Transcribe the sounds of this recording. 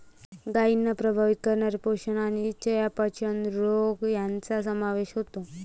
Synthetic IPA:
ɡainːapɾəbʱaʋit̪̚kəɾɳjaɾepoɕənañit͡ɕəjapat͡ɕʰənɾoɡjant͡sasəmaʋeɕɦot̪o

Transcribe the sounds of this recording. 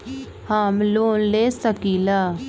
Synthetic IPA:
hamloːnleːsəkiːlaː

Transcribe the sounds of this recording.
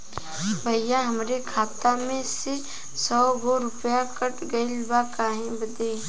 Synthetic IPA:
bʱɐjãɦɐmɾekʰaːt̪amẽse | sɔːɡoɾʊpjakəʈɡɐilbakaːɦẽbəd̪eː

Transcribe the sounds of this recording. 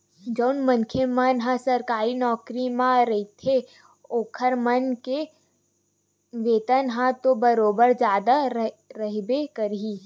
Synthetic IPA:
d͡ʒəʊnmə̃ŋkʰemənɦãsɐɾkaːɾinɔːkɾimãɾɐɦit̪ʰe | oːkʰəɾmənke | ʋeːt̪ənɦãt̪obəɾoːbəɾd͡ʒjaːd̪aɾ | ɾəɦbekəɾɦi

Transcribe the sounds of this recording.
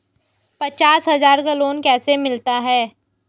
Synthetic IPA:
pɐt͡ʃaːsɦɐzaːɾkaloːnkɛːsemɪlt̪aɦɛː

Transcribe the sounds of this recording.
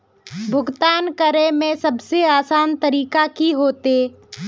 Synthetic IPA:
bʱʊɡt̪aːnkəɾemẽsɐbseaːsaːnt̪əɾiːkakiɦoːt̪eː

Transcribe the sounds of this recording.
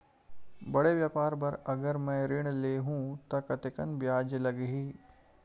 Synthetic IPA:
bɐɽeʋjaːpaːɾbɐɾɐɡəɾmɛ̃ːɾɪɽ̃leːɦũːt̪ɐkɐt̪ekɐnbjaːd͡ʒlɐɡeɦiː

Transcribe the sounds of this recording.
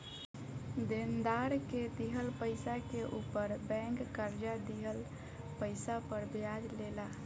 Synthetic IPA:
d̪end̪aɾked̪iɦəlpəɪsakeʔupəɾbɛ̃ŋkːəɾd͡ʒad̪iɦəl | pəɪsapəɾbjad͡ʒlela

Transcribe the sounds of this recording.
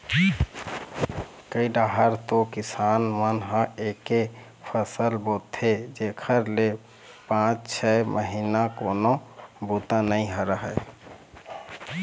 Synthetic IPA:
kəiɖaɦəɾt̪okɪsaːnmənɦə̃eke | pʰəsəlbot̪ʰed͡ʒekʰəɾle | pãt͡ʃt͡ʃʰɛmʔəɦinakonobut̪anəĩɦəɾəɦɛ

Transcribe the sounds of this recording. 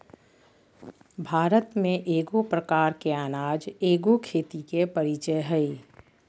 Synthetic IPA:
bʱaːɾət̪mẽʔeːɡopɾəkaːɾkeaːnaːd͡ʒeːɡokʰeːt̪ikepəɾit͡ʃəjɦɛi

